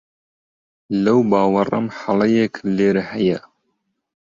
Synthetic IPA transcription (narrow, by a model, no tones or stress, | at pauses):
lɐwbɑːwɐrˤɐ̰mħalɐjeːkʰleːɾhɐjɛ